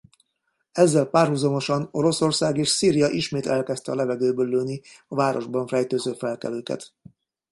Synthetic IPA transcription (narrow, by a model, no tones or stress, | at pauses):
ɛzːɛlpaːrhuzɒmo̞ʃɒno̞ɾo̞so̞rsaːɡeːʃsiːɾijɒʔiʃmeːt̪ɛlkɛst̪ɛɒlɛvɛɡøːbøːlːøːniɒvaːɾʔo̞ʒbɒɱfɛjt̪øːzøːfɛlkɛ̰løːkɛ̰t̪